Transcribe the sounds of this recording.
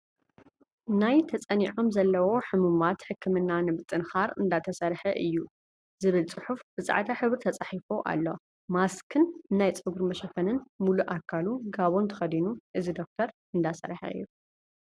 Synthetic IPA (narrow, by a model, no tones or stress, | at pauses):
najt̪ʰɐt͡sʼɐniʕo̞mzɐlːɐwo̞ħɨmumat̪ħɨkʰːɨmɨnːanɨβɨt͡s̪ʼɨnxaɾɨnd̪at̪ʰɐsɐɾħɐʔɨjːu | zɨβɨlt͡sʼɨħufb̥ɨt͡sʼa̰ʕt̪ʰaħɨβɾt̪ʰɐt͡sʼaħifoʔa̰lːo̞̰ | maskʰɨnnajt͡sʼɨɡuɾmɐʃɐfɐnɨnmuluʔakʰːaluɡaβo̞nt̪ʰɨ̥xɐd̪inuʔɨzid̪o̞k̚t̪ʰɐɾ | ɨnd̪asɐ̰ɾħɐ̰ʔɨ̰jːu